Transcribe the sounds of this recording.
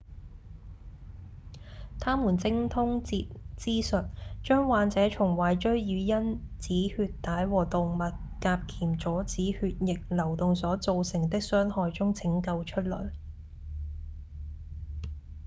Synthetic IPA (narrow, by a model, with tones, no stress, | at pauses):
t̪ʰaː˥muː˨˩nt͡sɪ˧ŋt̪ʰʊ˥ŋt͡siː˧t̚t͡siː˥sɵ˨t̚t͡ʃœː˥ŋwaː˨˧nt͡sɛː˨˥t͡ʃʰʊ˨˩ŋwɐː˨˩jt͡ʃɵ˥ɥjyː˨˧jɐ˥nt͡siː˨˥hyː˧t̚t̪aː˨˥jwɔː˨˩t̪ʊ˨ŋmɐ˨t̚kaː˧p̚kʰiː˨˩mt͡sɔː˨˥t͡siː˨˥hyː˧t̚jɪ˨k̚lɐ˨˩wt̪ʊ˨ŋsɔː˨˥t͡so˨˧wsɪ˨˩ŋt̪ɪ˥k̚sœː˥ŋhɔː˨jt͡sʊ˥ŋt͡sʰɪ˨˥ŋkɐ˧wt͡ʃʰɵ˥t̚lɵ˨˩ɥ